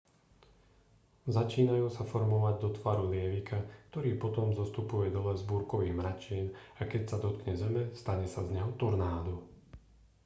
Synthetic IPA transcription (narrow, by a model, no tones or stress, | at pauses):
zat͡ʃiːnajuːsafɔɾmɔʋaɟd̪ɔt̪ʋaːɾulɪɛʋikʰakt̪ɔɾiːpɔt̪ɔmzɔst̪upujɛd̪ɔlɛzbuːɾkɔʋiːmɾat͡ʃiːnakɛcsad̪ɔt̪kɲɛzɛmɛst̪aɲɛsazɲɛɦɔt̪ɔɾnaːd̪u